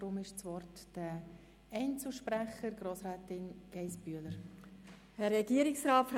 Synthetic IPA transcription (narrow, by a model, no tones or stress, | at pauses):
ɾʊmɪʃt͡svɔrtd̥ə | ɛɪnt͡suʃpɾɛχəɾɡɾoːsɾɛːtɪnɡ̥ɛɪsb̥yːləɾ | hɛɾːɛɡiəɾɪksɾɑːtf